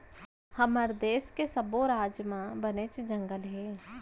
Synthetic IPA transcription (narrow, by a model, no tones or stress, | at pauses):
hɐməɾd̪eːskesəboɾaːd͡ʒjmãbənet͡ʃd͡ʒə̃ŋɡəlɦeː